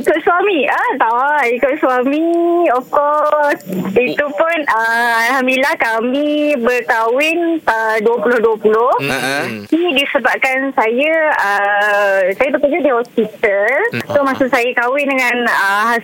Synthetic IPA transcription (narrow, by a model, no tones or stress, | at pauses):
ikoʔswamĩət̪awaikoʔswamiɔfkɔsit̪upʊnəalɦamilahkamibərkawɪnt̪əduəpulʊhduəpulʊh | idisəbap̚kansajəə | sajap̬ət̪ud͡ʒadihɔspit̪əlt̪ʊhmãsuʔsajakawɪndəŋãnəɦa